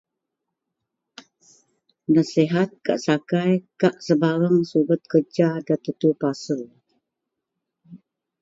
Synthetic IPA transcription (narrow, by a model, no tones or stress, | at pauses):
naseɦat̪̚ka̰ʔsakajkaʔsəbaɾəŋsubət̪̚kərd͡ʒadat̪ət̪upasəl